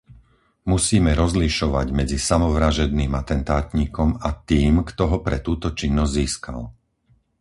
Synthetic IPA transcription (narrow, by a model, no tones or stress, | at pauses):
musiːmɛɾɔzliʃɔʋaɟmɛd͡zisamɔʋɾaʒɛd̪niːmat̪ɛnt̪aːt̪ɲiːkɔmat̪iːmkt̪ɔɦɔpɾɛt̪uːt̪ɔt͡ʃinːɔzɟziːska̰l